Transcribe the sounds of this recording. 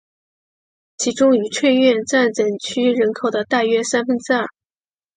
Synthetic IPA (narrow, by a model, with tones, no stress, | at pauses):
t͡ɕʰi˧˥ʈ͡ʂʊ˥ŋy˨˩ʈ͡ʂʰwe˥˧ɪɥɛ˥˧nt͡sa˥˩nt͡sə˨˩ŋt͡ɕʰy˥ɻə˧˥nkʰo˨˩ʊd̪ə˦t̪a˥˩ɥɛ˥sa˥nfə˥nʈ͡ʂɻ̩˥a˥˩